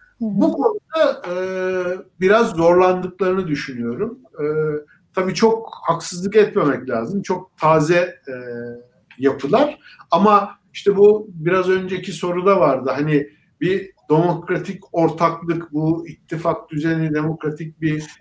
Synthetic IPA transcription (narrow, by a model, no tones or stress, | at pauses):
bukʰo̞nud̪aɯ | biɾazːo̞ɾlˠand̪ɯklˠaɾɯnɯd̪yʃynyjo̞ɾum | ɯː | t̪ʰabiːt͡ʃʰo̞k̚haksɯzlˠɯkɛt̪me̞mɛclʲaːzɯmt͡ʃʰo̞k̚t̪ʰaːzɛ | japʰɯlˠaɾ̥ | amaiʃt̪ʰɛbubiɾazø̞nd͡ʒecʰiso̞ɾud̪avaɾd̪ɯɦanɪ | bid̪̥e̞mo̞kɾat̪ʰico̞ɾt̪ʰaklˠɯkbuit̪ʰːifak̚d̪yzenid̪e̞mo̞kɾat̪ʰic̚bi